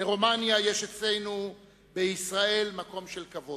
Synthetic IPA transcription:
beʁo̞manjaje̞ʃet͡sle̞jnu | beisʁae̞lmako̞mʃelkavo̞d

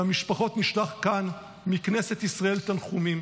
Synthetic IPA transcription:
amiʃpaχo̞t̪niʃlaχkan | mikne̞set̪isʁae̞lt̪anχumim

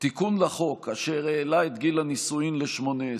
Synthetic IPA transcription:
t̪ikunlaχo̞kaʃeʁeːlait̪ɡilanisuimleʃmo̞ne

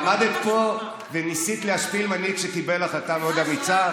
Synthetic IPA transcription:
mad̪et̪̚po̞ | venisit̪leaʃpilmanikʃekibelaχat̪amod̪amit͡sa

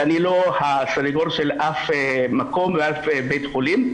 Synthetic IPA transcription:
anilohasaɾiɡoɾʃe̞lʔafemako̞mveafebe̞jt̪χolim

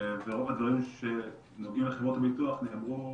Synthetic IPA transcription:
veʁovad̪vaʁimʃe | noɡiumleχevʁo̞t̪habit̪uaχnemʁu

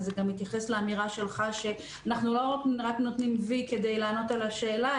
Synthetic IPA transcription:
zeɡamit̪jaχe̞sleamiʁaʃe̞lχaʃe̞ | anaχnulo̞ʁakʁatnot̪nimvike̞d̪e̞jlaːno̞t̪alaʃe̞ːla

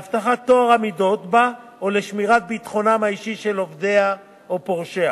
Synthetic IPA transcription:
aft̪aχat̪ːoaʁamido̞t̪ba | oleʃmiʁat̪̚bit̪χo̞namhaiʃiʃe̞lo̞vd̪e̞a | opo̞ʁʃea

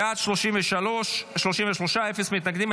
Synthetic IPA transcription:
at̪ʃloʃimveʃaloʃʃlo̞ʃimveʃlo̞ʃaefesmit̪naɡd̪im

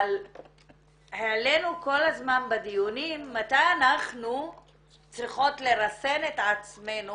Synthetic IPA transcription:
al | heale̞nuko̞lazmanbad̪ijunimːat̪ajanaχnu | t͡sʁiχo̞tle̞ʁase̞net̪at͡sme̞nu

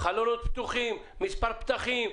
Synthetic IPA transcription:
χalonot̪̚pt̪uχimːispaʁpt̪aχim

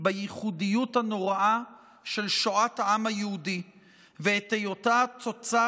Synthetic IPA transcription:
bajiχudijuthano̞ʁaʔa | ʃe̞lʃoʔathaʔamhajehudi | veetejotat͡sot͡sa

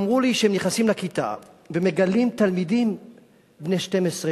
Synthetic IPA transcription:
mʁuliʃehemniχnasimlakit̪a̰ | vemeɡalimt̪almid̪im | bneʃte̞mesʁe

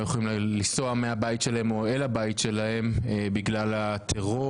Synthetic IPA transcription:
jeχolimllisoameabait̪ʃelaɦemo̞elabajit̪ʃe̞lahe̞mebiɡlalat̪ʰeʁo

